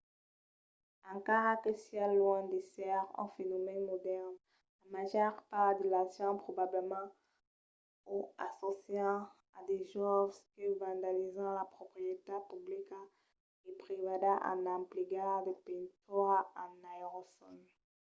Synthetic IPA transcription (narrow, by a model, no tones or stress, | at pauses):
ãkaʁakesjalːwɔ̃d̪esɛʁɛ̰̃fenɔmɛnmɔd̪ɛʁn | amaʒœʁpaʁd̪elasjɑ̃pχobabləmɑ̃ | oa̰sosjɑ̃ | ad̪eʒɔvskəvãnd̪alizɑ̃lapχopχijet̪apyblika | epʁevadaʔã̰nãpliɡad̪əpĩnt̪uʁaanajʁosɔn